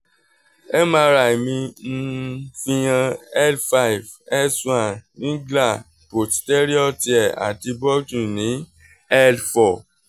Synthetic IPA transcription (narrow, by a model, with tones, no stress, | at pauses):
ɛ˦mãː˧˦ɾa˨i˨mĩ˧n̩˦fĩ˦˧j̃ã˧ɛ˦lfa˦i˨v | ɛ˦˨swa˦˨nĩ˨˦ɡla˦˨ | po˨tte˦ɾi˦ɔ˦˨ti˨ɛ˨a̰˨ti˧bɔ˦tũ˦˨nĩ˨˦ | ɛ˦lfɔ˨